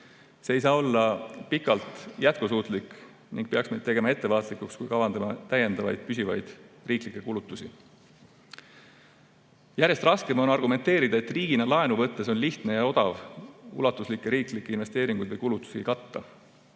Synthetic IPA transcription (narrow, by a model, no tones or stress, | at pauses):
se̞ːjsɑːo̞lːɑpikːˑɑlt̪ˑjæt̪̚kusuːt̪ˑlikˑ | niŋɡ̥̚peɑksme̞jd̪e̞ɡe̞mɑe̞t̪ːe̞vɑːt̪ˑlikːˑukskujkɑvɑnd̪ɑmɑt̪æje̞nd̪ɑvɑ̰jd̪̥̚pys̬ʲivɑjd̪̥riːklikˑːe̞kulut̪ːusʲi | jæɾjest̪rɑske̞mo̞nɑrɡume̞nt̪e̞ːɾid̪̥ɑe̞t̪ːriːɡ̥inɑlɑenuvɤt̪ːe̞so̞nliht̪ne̞jɑo̞d̪ɑvṵlɑt̪ːˑuslikːˑeɾiːklikːeinve̞st̪e̞ːɾiŋɡ̥ujd̪vɤjkulut̪ːˑu̥siikɑt̪ːɑ